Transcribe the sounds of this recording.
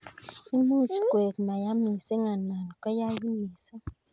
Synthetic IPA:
i˦mu˦˨t͡ʃkwe˨kma˨ja˦mi˨n̩˨se˦ŋa˨na˨n˨kɔ˦ja˦ji˦mːi˨sə˦

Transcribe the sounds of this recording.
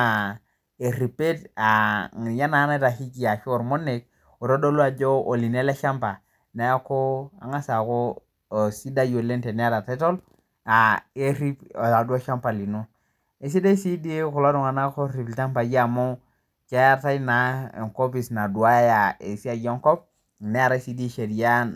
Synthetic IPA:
a˨ | e˨ɾi˨pe˦ta˨ja˦na˨˦na˦ta˨ki˦ki˨ja˨ʃo˨ɾmo˦ne˨k̚ | o˨ɾo˦do˦lu˦a˨d͡ʒo˦ʔo˨li˨ne˦le˦ʃa˦mpa˨ | na˨˦a˦ko˦a̰˨ŋa˦sa˨ko˦˨ | si˦da˦jo˨le˦nte˨n˨˦a˦ta˨te˦to˦l | a˨e˦ɾi˦pa˨du˦a˦ʃa˦mpa˨li˨nu˦ | e˨s̬i˦da˦si˦di˦ku˨lo˦ɾu˨ŋa˨na˦ko˦ɾi˨blt͡ʃa˦mpa˨ɡi˦a˨mo˦ | ke˦a˦ta˦i˦na˨ḛ˨ŋko˦pi˨sna˨du˨a˦ja˨e˨si˦a˨jo˦ŋko˦p̚ | ne˦a˨ɾa˦si˦di˦ʃe˨ɾi˨ja˦n

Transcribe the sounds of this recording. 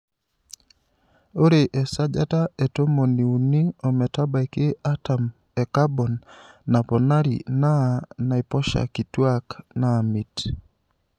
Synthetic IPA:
o˦ɾe˨ʔɛ˨sa˦d͡ʒa˦ta˦ɛ˨to˦mo˨ni˨u˨ni˦ɔ˨mɛ˨ta˦ba˨ikɪ˦a˦ta˨m | ɛ˨ka˦bɔ˨nːa˨pɔ˨na˦ɾḭ˨na˦na˨i˨pɔ˦ʃa̰˨ki˨twa˦kna˨mi˨t

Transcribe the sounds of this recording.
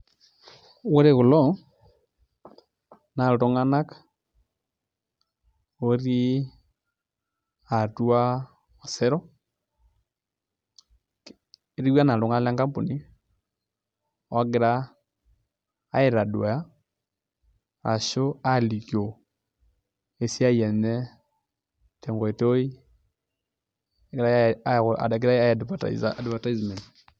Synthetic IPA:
wo˦ɾe˨ɣʊ˨lɔ˦ | na˨to˦ŋa˦na˦kḁ | o˦ɾi˦ | a˨tu˦a˦ | ɔ˨sɛ˦ɾɔ˦˨ | ɾi˦wa˦na˨to˨ŋa˦n˦la˦ŋka˦mpo˨ni˦ | a˦ɡɪ˦ɾa˦ | e˨ɾa˨dwa˨ja˦ | a̰˨ʃo˦a˦li˨kjo˨ | e˨sja˦i˨ɛ˨nɛ˦ | tɛ˨ŋɡɔ˨e˨to˦i˦ | ɡɾa˦a̰˨a˨ɡɪɾa˦a˦˨dpata̰adva˨ta˦izmɛ˨nt

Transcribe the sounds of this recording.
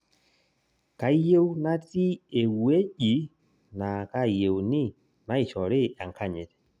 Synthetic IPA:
ka˨˦je˦wna˦ti˦e˨wu˨˦e˦d͡ʒi˨˦ | na˨ka˧je˨wni˦ | na˨˦i˨t͡ʃɔ˨ɾe˦a˨ŋ˨ka˦˨ɲe˨t

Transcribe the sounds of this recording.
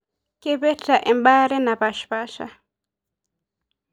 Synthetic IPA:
kɛ˦βɛ˦ta˨ʔɛ˨m˦ɓa˦ɾɛ˦na˨βa˨ʃpa˦ʃa̰˦

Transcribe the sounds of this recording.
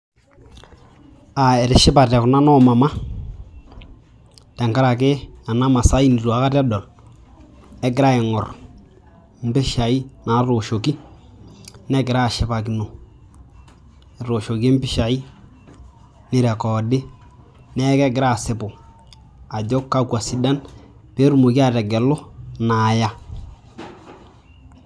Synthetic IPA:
a˨e˨ɾɪ˨ʃɪ˦ba˨tɛ˨kʊ˨na˦nɔ˦ma˨ma˦ | tɛ˨ŋka˦ɾa˨kɪ˦a˨na˦ma˨sa˦i˦ni˨tu˨a˨˦ka˦tɛ˦dɔ˨l | ɛ˦ɡɪ˨ɾa˦ɪ˨ŋɔ̰˨ɾ | m̩˦bɪ˦ʃa˨i˦na˨˦ɾo˨ʃo˨ki˦ | nɛ˦ɡɪ˨ɾa˦˨ʃɪ˨ba˨ki˨no˨ | ɾo˨ʃo˨ki˦mbɪ˦ʃa˨i˦ | nɪ˨ɾɛ˨kɔ˨dɪ˦ | nɛ˦kɛ˦ɡɪ˨ɾa˦˨sɪ˨˦bʊ˨ | a˨ɟo˦kːa˦kwa˨si˨da˦n | pe˦ɾu˦mo˨ki˦a˦˨ɾɛ˨ɡɛ˨lʊ˦na˨ja˦

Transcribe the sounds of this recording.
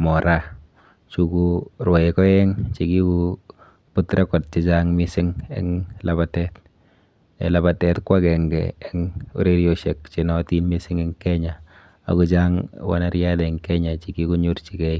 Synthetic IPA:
mɔ˨ɾa˦ | t͡ʃu˨ku˦ɾwɔ˨e˨kɔ˦jɛ˦ŋt͡ʃi˨ki˦ku˦ | pu˦tɾɛ˦kɔ˨t̚t͡ʃɪ˦t͡ʃaŋmɪ˦sɪ˦ŋɛ̰˦ŋla˦ba˨tɛ˦t | ḛla˨ba˨tɛ˨tkwa˦kɛ˨ŋɡɛ̰˨ɛŋṵ˦ɾe˦ɾjo˨ʃɛ˨k̚t͡ʃɪ˨nɔ˦ti˦nmi˦sɪ˦ŋɪ˦ŋkɛ˦ɲa˨ | a̰˨ku˨t͡ʃa˦ŋwa̰˦na˦ɾja˦dɛ˨ŋkɛ˦ɲa˨t͡ʃi˨ki˦ku˦ɲu˦ɾt͡ʃi˨kɛ˦i˦

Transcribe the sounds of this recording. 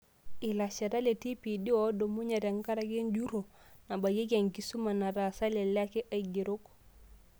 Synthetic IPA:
i˨la˨t͡ʃe˨ɾa˦le˨ti˦pi˨di˦o˦do˨mu˦ɲe˨ɾe˨ŋka˦ɾa˦ɡe˦nd͡ʒu˦ɾo˨ | na˨ba˨ɟi˦ɡe˨ŋki˨su˦ma˨na˨ɾa˨sa˦le˨la˦ke˦ʔa˨ɡi˨ɾu˦k

